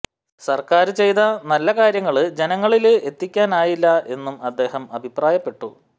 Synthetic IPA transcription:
sɐrkaːɾɨt͡ɕe̞jt̪ɐnɐlːɐkaːɾjɐŋːɐɭɨd͡ʑe̞nɐŋːɐɭile̞t̪ːikʲːaːnaːjilːɐe̞nːumɐd̪ːe̞ːhɐmɐbʱipraːjɐpːe̞ʈːu

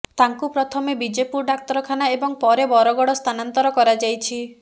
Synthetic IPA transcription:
t̪aŋkupɾɔt̪ʰɔmebid͡ʒepuɾɖak̚t̪ɔɾɔkʰanaebɔŋpɔɾebɔɾɔɡɔɽɔst̪ʰanant̪ɔɾɔkɔɾad͡ʒajt͡ʃʰi

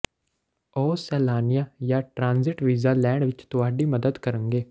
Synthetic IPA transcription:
ɔːsɛːlaːnɪjaːjaːʈɾãːnzɪʈʋiːzaːlɛːɳʋɪt͡ʃt̪ʊaːɖiːməd̪əd̪kəɾəŋɡeː

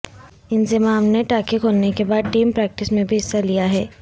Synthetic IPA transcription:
ɪnzɪmaːmneʈaːkikɦoːnekebaːd̪̚ʈiːmpɾɛːk̚ʈɪsmẽbʱiɪsːalijaɦɛː

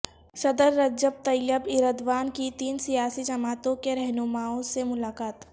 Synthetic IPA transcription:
ʃɐd̪əɾːɐd͡ʒəb̚t̪ɐjjəbɪɾəd̪ʋaːnkit̪iːnsijaːsid͡ʒɐmaːt̪õkeɾɛɦnʊmaːõsemʊlaːkaːt̪

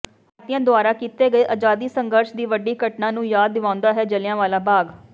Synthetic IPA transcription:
at̪ɪjãːd̪ʊaːɾaːkiːt̪eːɡəeːʔaːd͡ʒaːd̪iːsəŋɡəɾʃd̪iːʋəɖiːkəʈnãːnũːjaːd̪ːɪʋãːʊ̃nd̪aːɦɛːd͡ʒəljãːʋaːlaːbaːɡ

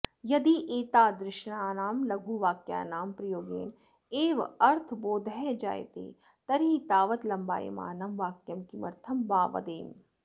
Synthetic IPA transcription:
jɐd̪iʔeːt̪aːd̪ɾɪʃnaːnaːmlɐɡʱuːʋaːkja̰ːnaːmpɾɐjoːɡḛːn | eːʋɐɾt̪ʰboːd̪ʱɛd͡ʒa̰ːjḛt̪ḛː | t̪ɐɾɦiːt̪aːʋət̪lɐmba̰ːjḭma̰ːnɐmʋaːkjɐmkimɐɾt̪ʰɐmbaːʋɐ̰d̪eːn

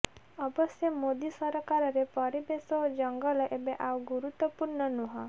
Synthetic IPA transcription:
ɔbɔsjɔmod̪isɔɾkaɾɔɾepɔɾibesɔd͡ʒɔŋɡɔlɔʔebeʔawɡuɾut̪wɔpuɾɳɔnuɦɔ

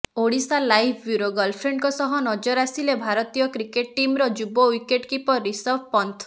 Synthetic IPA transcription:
oɽisalajpʰbjuɾoɡɔlpʰɾeɳɖkɔsɔɦɔnɔd͡ʒɔɾasilebʱaɾɔt̪ijɔkɾikeʈʈimɾɔd͡ʒubɔwikeʈkipɔɾisɔɾbpɔnt̪ʰ

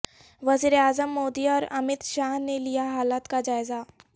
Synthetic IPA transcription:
ʋɐziːɾeaːzəmːoːd̪iɔːɾɐmɪt̪ʃaːɦnelijaɦaːlaːt̪kad͡ʒaːɪza

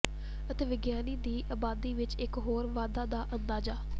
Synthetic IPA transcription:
ət̪eːʋɪɡjaːniːd̪iːʔaːbaːd̪iːʋɪt͡ʃɪkɦoːɾʋaːd̪aːd̪aːʔənd̪aːd͡ʒaː

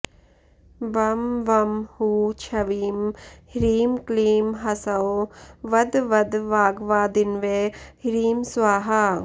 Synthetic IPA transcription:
ʋɐmʋɐmhuːt͡ʃʰɐʋiːmhiɾiːmkliːmɦɐsɐoʋɐd̪ʋɐd̪ʋaːɡʋaːd̪inʋeːhɾiːmsʋaːɦa

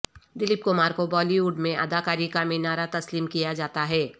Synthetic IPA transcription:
d̪ɪlɪp̚kʊmaːɾkobɔːliuːɖmẽʔɐd̪aːkaːɾikamẽnaːɾat̪ɐsliːmkijad͡ʒaːt̪aɦɛː

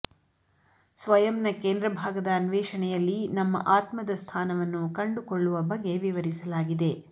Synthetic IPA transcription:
sʋɐjɐmnɐkeːnd̪ɾɐbʱaːɡɐd̪ɐːnʋɛːʂɐɳɛjɐlːinɐmːɐ̰ʔaːt̪mɐd̪ɐst̪ʰaːnɐʋɐnːukɐɳɖukoɭːuʋɐbɐɡːe̞ʋiʋɐɾisɐlaːɡid̪e̞

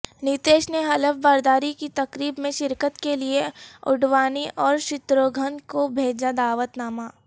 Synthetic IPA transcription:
nit̪eːʃneɦɐləfbaːɾd̪aːɾikit̪ɐkɾiːbmẽʃɪɾkət̪kelieʊɖʋaːniʔɔːɾʃɪt̪ɾoɡʱənkobʱeːd͡ʒad̪aːʋət̪naːmaː

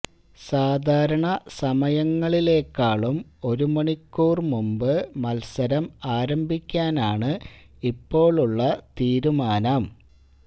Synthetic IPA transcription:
saːd̪ʱaːɾɐɳɐsɐmɐjɐŋːɐɭile̞ːkːaːɭumo̞ɾumɐɳikːuːrmumbɨmɐlsɐɾɐmaːɾɐmbʱikʲːaːnaːɳɨ | ipːo̞ːɭuɭːɐt̪iːɾumaːnɐm

